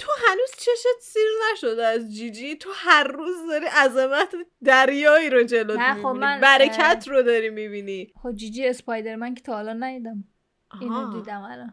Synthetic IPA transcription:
t̪ʰoɦænuːz̥t͡ʃʰeʃet̪siznæʃod̪eæzd͡ʒid͡ʒit̪ʰohæɾːuːzd̪ɒɾiːʔæzemæt̪ʰd̪æɾjɒːiɾod͡ʒe̞lonʰooænbæɾekʰæt̪ʰrod̪ɒɾimibinixobd͡ʒid͡ʒiespɒjd̪eɾmæŋkʰet̪ʰɒhlɒnnæjid̪æm | ɒihod̪iːd̪æmælɒn

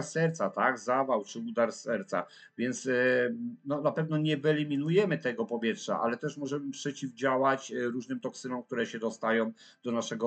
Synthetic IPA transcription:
ɾsɛɾt̪sat̪aɡzavawt͡ʂɘud̪aɾsɛɾt̪sa̰ | vʲjɛnt̪s | nɔnapɛvn̪ɔɲɛvɛlʲimʲinujɛmɘt̪ɛɡɔpɔvʲjɛtʂa̰ʔa̰lɛt̪ɛʂmɔʐɛmɘpʂɛt͡ɕivd͡ʑawat͡ɕɾuʐnɘmt̪ɔksɘnɔ̃mk̚t̪uɾɛɕɛd̪ɔst̪ajɔ̃w̃ | d̪̥ɔnaʂɛɡɔ

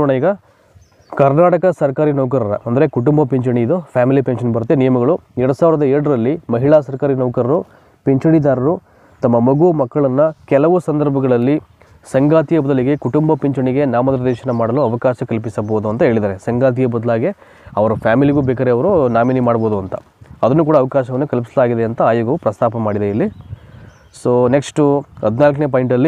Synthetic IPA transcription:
ɐɳɐiːɡɐ | kɐɾnaːʈɐkɐsɐɾɐkaːɾinɐʋkɐɾɐɾɐ̰ʔɐnd̪ɐɾe̞kuʈumbɐpeɲt͡ʃɐɳiid̪upʰjaːmilipenʃɐnbɐɾut̪̬ːenijɐmɐɡɐɭuɛɾɐɽusaːʋiɾɐd̪ɐɛɾɽɐɾɐlːimɐɦiɭaːsɐɾkaːɾinɐʋkɐɾɐɾu | peɲt͡ʃɐɽid̪aːɾɐɾu | t̪ɐmːɐmɐɡumɐkːɐɭɐnːɐkɛlɐʋusɐnd̪ɐɾbʱɐɡɐɭɐlːi | sɐŋɡaːt̪ijɐbɐd̪ɐliɡe̞kuʈumbɐpiɲt͡ʃɐɳiɡe̞naːmɐd̪ɐɾɐd̪ɛːʃɐnɐmaːɽɐluɐʋɐkaːʃɐkɐlpisɐboːd̪uɐnt̪ɐɦeːɭid̪aːɾe̞sɐŋɡaːt̪̬ijɐbɐd̪laːɡe | ɐʋɐɾupʰjaːmiliɡuːbɛːk̬ɐɾeɐʋɐɾunaːminimaːɽboːd̪uɐnt̪ɐ | ɐd̪ɐnːuk̬uːɽɐːʋɐkaːʃɐʋɐnːukɐlpi̥sɐlaːɡid̪eɐnt̪ɐaːjoːɡɐʋupɾɐst̪aːpɐmaːɽid̪eilːi | soːneksʈuɦɐd̪naːlk̬ɐneːp̬ɐːjiɳʈɐlːi

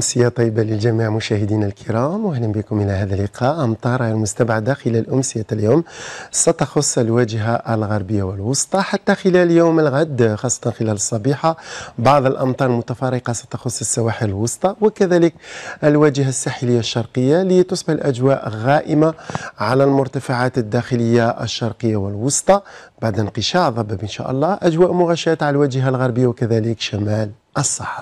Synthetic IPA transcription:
ʔʊmsɪjat̪ˤːɑjːəbaləlʒæmiʕmʊʃæhəd̪inælkʰəɾˤɑmwʊhləmbɪkʊmʔəlæhæd̪ælːɪqʰɑʔʔɑmt̪ˤɑɾˤhɑjlmʊst̪abʕad̪axəlælʔʊmsɪjaljomsæt̪ɑxʊsˤːəlwæd͡ʒɦaʔəlɣɑɾˤbəjːawəlwɑsˤt̪ˤɑħat̪ːaxɪlæljowməlɣad̪ːxɑsˤːɑ̥t̪ˤɑnxəlæləsˤːɑbiħabɑʕd̪ˤəlʔɑmt̪ˤɑːɾˤlmʊt̪afɑɾˤəqɑsæ̥t̪ɑxʊsˤːəsːawaħiləlwɑsˤt̪ˤɑwəkæðæləkʔəlwæd͡ʒəɦasːaħələjːaʃːɑɾˤqəjːalit̪ʊsbəħlʔæd͡ʒwæʔɣæʔəmaʕalælmʊɾt̪afaʕat̪əd̪ːæxələjːaʔə̰ʃːɑɾˤqəjːawəlwosˤt̪ˤɑbaʕd̪ənqəʃɑʕðˤɑbəbənʃæ̰ʔɑ̰lˤːɑʔæd͡ʒwæʔmʊɣæʃæt̪ʕalwæd͡ʒəɦalɣɑɾbəjːawkæðæləkʃæmæl | ʔəsˤːɑħɑ̥

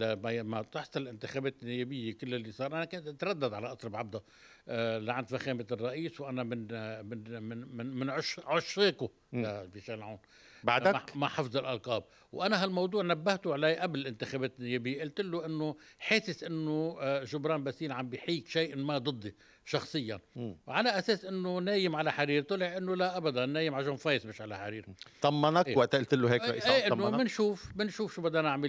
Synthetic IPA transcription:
mamat̪ɪħsˤɑlɪlʔɪnt̪ɪxabeːt̪ɪnːɪjeːbɪjːekɪlːɪlːisˤɑːɾˤʔanakeːnt̪ʔat̪ɾˤɑd̪ːad̪ʕalaʔɑsˤɾˤɑbʕab̚d̪a | laʕand̪faxeːmɪt̪rˤːɑʔiːswʔanamɪnɪn | mɪnʕʊʃʕʊʃɾeːkʊ | lafiʃeːlʕaːn | baʕd̪aamaħɑfzˤɪlʔɑlqɑːb̚ | wʔanaɦalmɑwd̪ˤuːʕnabːaht̪ʊʕlejʔablɪlʔɪnt̪ɪxabeːt̪ɪnːɪjeːbɪjːeʔɪlt̪ɪlːʊʔɪnːʊħeːsɪsʔɪnːoʒʊbɾɑːmbasiːnʕambijħiːkʃaːʔmad̪ˤɨd̪ˤːi | ʃɑxsˤɨjːa̰nwʕalaʔaseːsʔɪnːoneːjɪmʕalaħaɾiːɾt̪ˤʊlɪʕʔɪnːolaʔabad̪anːeːjɪmʕaʒonfɑːjsmeːʃʕalaħaɾiːɾt̪ɑmːɑnakewaʔt̪ʔɪlt̪ɪlːuɦeːkɾɑ̰ʔiseːʔɪnːomɪnʃuːfmɪnʃuːfʃubad̪ːnaʕmɪl

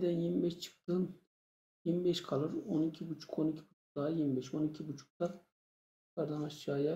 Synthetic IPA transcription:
d̪ɛnjimibɛʃt͡ʃʰɯ̥k̚t̪ɯn | jimibeʃkʰalˠɯɾonicʰibut͡ʃʰu̥ko̞nicʰi̥but͡ʃʰu̥k̚d̪ajiɾmibɛʃo̞nicʰibut͡ʃʰu̥k̚t̪a | kʰaɾd̪anaʃt͡ʃaːja

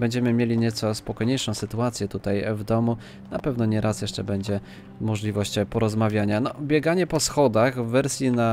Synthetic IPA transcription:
bɛɲd͡ʑɛmɘmʲjelʲiɲɛt̪sɔspɔkɔjɲejʂɔ̃w̃sɘt̪uat̪sʲjɛt̪ut̪ajvd̪ɔmu | napɛvnɔɲɛɾʔasjɛʂt͡ʂɛbɛɲd͡ʑɛ | mɔʐlʲivɔɕt͡ɕpɔɾɔzmavʲjaɲanɔbʲjɛɡaɲɛpɔsxɔd̪aɣvːɛɾsʲjina

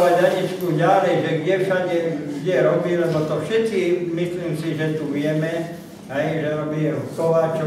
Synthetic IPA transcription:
aɟaɟit͡ʃkuɟalɛjʒɛɡɟɛfʃaɟɛɡɟɛɾɔbiːlɛbɔt̪ɔfʃɛt̪imisliːmsiʒɛt̪uʋɪɛmɛ | ɦɛjʒɛɾɔbiɛɦukɔʋaːt͡ʃ

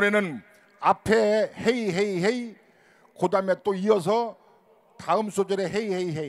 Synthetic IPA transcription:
ɾenɯn | apʰehejɦejɦej | kʰod̪amet̪oiɔsʰɔ | t̪ʰaɯmsot͡ɕɔɾeɦejhejɦej

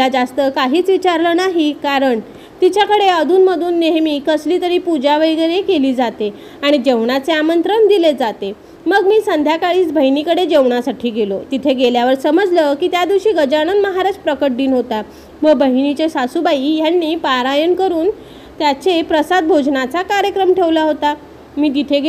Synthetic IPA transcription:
ad͡zast̪əkaɦiːt͡sʋit͡ɕaɾləːnaɦikaɾəɳ | t̪it͡ɕjakəɽeəd̪ʱuːnməd̪ʱuːnːeɦmiːkəsliːt̪əɾiːpud͡ʑaʋəjɡəɾekeliːd͡zat̪e | aɽ̃id͡ʑeʋɳat͡seamənt̪ɾəɳd̪iled͡zat̪e | məɡmiːsənd̪ʱjakaɭiːt͡sbʱəjnikəɽed͡ʑeʋɳasaʈʰiːɡelot̪it̪ʰeɡeljaʋəɾsəməd͡zləkiːt̪jad̪iʋɕiːɡəd͡ʑaɽ̃ənməɦaɾad͡ʑpɾəkəʈ̚ɖiːnɦot̪a | ʋəbəɦnit͡ɕesasubaijanːiːpaɾajənkəɾuːn | t̪jat͡sepɾəsad̪̚bʱod͡znat͡sakaɾjəkɾəmʈʰeʋlaɦot̪a | miːt̪̬it̪ʰeɡe

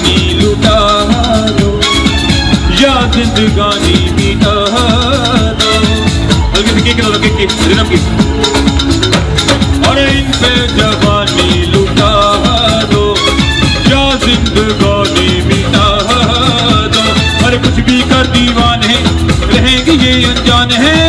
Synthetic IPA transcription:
nilʊʈaːɦd̪oː | jaːzɪ̃nd̪ɡaːnibit̪a | ɦ | d̪a | bɐlkɪsekeːkːnoːd̪akekeːɾɪnamɡeː | ɐɾeːɪnpɛ̃d͡ʒɐbaːnilʊʈaːɦd̪oː | jaːzɪ̃nd̪əɡaːnibit̪aːɦ | d̪aː | ɐɾekʊt͡ʃʰbʱikɐɾd̪iːʋaːnɦɛ̃ː | ɾɐɦẽːɡijeɐ̃nd͡ʒaːnɦɛ̃ː

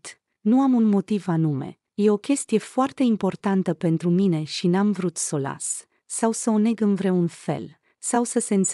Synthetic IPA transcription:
t̪ | nuamunmo̞t̪ivanume̞̰ | je̞o̞kʲe̞st̪ije̞foart̪e̞impo̞rt̪ant̪əpe̞nt̪ɾumine̞ʃinamvɾut̪so̞la̰s | sawsəone̞ɡɨnvɾe̞unfe̞̰l | sawsəse̞ɨnt̪s

